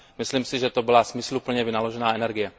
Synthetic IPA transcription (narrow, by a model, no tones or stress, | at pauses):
mɪsliːmsɪʒɛt̪o̞bɪlasmɪslupl̩ɲɛvɪnalo̞ʒɛnaːɛnɛɾɡɪjɛ